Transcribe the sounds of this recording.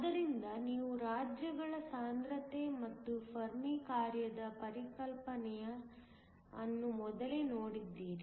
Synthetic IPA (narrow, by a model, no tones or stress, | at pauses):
ɐd̪ɐɾind̪ɐniːʋuɾaːd͡ʒjɐɡɐɭɐsaːnd̪ɾɐt̪emɐt̪ːupʰɐɾmikaːɾjɐd̪ɐpɐɾikɐlpɐnɛjɐ | ɐnːumɔd̪ɐlenoːɽid̪ːiːɾi